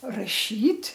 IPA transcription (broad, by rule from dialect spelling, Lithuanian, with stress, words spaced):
rɐˈʃʲiːtʲ